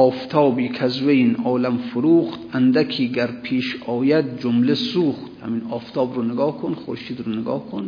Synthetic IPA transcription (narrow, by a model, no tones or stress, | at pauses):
ɒːft̪ʰɒːbiːkʰæzweinʔɒːlamfʊɾuːχt̪ænd̪ækʰiːɡæɾpʰiːʃɒːjæd̪̚d͡ʒomlesuːχt̪ha̰minɒːft̪ʰɒːbɾunɪɡɒːhkʰonχoɾʃiːd̪ɾunɪɡɒ̰ːhkʰon